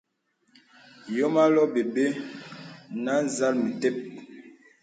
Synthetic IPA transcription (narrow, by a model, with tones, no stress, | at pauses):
jɔ˦ma˦lɔ˦be˨be˦ | na˦n̩˨za˦lmi˨tɛ˦˨p̚